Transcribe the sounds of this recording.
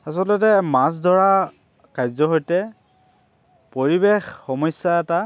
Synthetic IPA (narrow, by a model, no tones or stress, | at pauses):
asɔlɔtɛmas̬dʱɔɹa | kajzɔɦojtɛ | poɹibexːɔmɔsːaɛta